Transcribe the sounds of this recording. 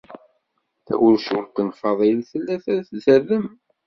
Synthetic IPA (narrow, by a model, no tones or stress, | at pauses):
θæ̰wʊɾʃuɾqənfɑðˤilθəlːæθæθzərəm